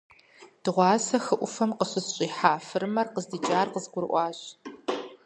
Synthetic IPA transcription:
d̥ɨʁʷɑːsɐxɨʔʷʊfɐmqəɕɪzɕʼiːħaːfɨɾmɐrqəzdɨt͡ʃʼaːrqəzɡʷʊɾʔʷɑːɕʼ

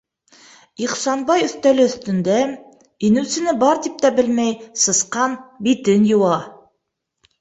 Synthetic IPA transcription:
iqsɑnbɑjɵ̆θt̪ælɘɵ̆θt̪ɵ̆nd̪æ | inɘ̆wsɘ̆nɘbɑɾt̪ip̚t̪æbɘlmæjsɤ̆sqɑnbit̪ɘnjŏwɑ

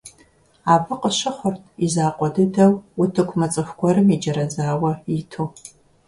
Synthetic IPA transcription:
aːbɨqʼəɕɪχʷʊrtʰizaːqʷʼɔdɨdɐwutʰɨkʷʰmɐt͡sʼɨxʷɡʷɔɾɨmid͡ʒɐɾɐd͡zaːwɐjitʰu

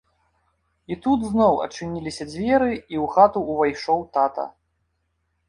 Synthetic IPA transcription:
it̪ud̪znɔwɐ̰t͡ʂɨnʲilʲisʲɐd͡zʲvʲɛɾɨiwxat̪uːvajʂɔwt̪at̪ɐ̰

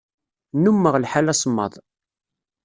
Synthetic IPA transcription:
numːəʁlħalæsˤəmːə̰ðˤ

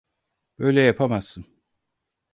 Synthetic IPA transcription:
b̥ø̞jlʲɛjapʰamasːɯn

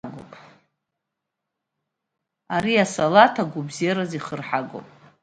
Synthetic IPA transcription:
ɡo̰pʼ | aɾiasalatʰaɡʷʊbziaɾaziχərħaɡo̰pʼ

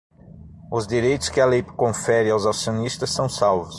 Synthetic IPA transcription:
ʊzd̪iɾejt̪ʊskɪɐlejpkõfɛɾɪawzasionist̪ɐsːɐ̃w̃sawvʊs

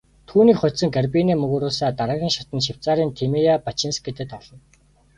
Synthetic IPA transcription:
t̪ʰuːniːkχʊsə̆ŋɡarpiniːmɵɣɵːɾʊːsaːt̪aɾə̆ɣʲiːŋʃat̪ə̆nʃɪw̥t͡saːɾiːnt̪ʰemijapat͡ɕĭnsɡet̪ɘ̆t̪ɔɮɞ̆n

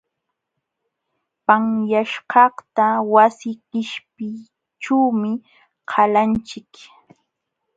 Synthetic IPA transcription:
paŋjaʃɢɑht̪awasɪɢɪʃpɪ | ʈ͡ʂawmɪ | qʰalant͡ʃɪk

